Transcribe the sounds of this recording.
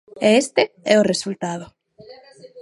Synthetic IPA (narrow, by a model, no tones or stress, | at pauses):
eest̪eɛoresult̪aðʊ